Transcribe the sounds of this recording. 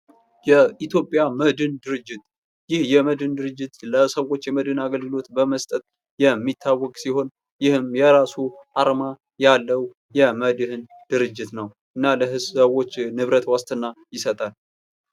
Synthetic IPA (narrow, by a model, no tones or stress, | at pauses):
jɛʔit̪ʰjopʼjaməd̪ɨnd̪ɨɾɨd͡ʒːɪt̪ | jɪhjɛməd̪ɨnd̪ɨɾɨd͡ʒːɪt̪ləsəwo̞t͡ʃːjɛməd̪hɨnaɡəlɡɨlo̞t̪bəməst̪ʼət̪̚ | jɛmːit̪ʰːawːɔkʼsiho̞n | jɪhɨmjɛɾasuʔaɾma | jalːəw | jɛməd̪ɨhɨn | d̪̥ɨɾɨd͡ʒːɪt̪nəw | ʔɨnːaləɦɨsəwo̞t͡ʃːnɨβɾət̪wast̪ʰʼɨnːajɪsət̪ʼal